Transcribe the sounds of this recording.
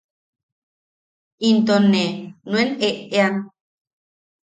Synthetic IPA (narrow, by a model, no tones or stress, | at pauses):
int̪onenweneʔean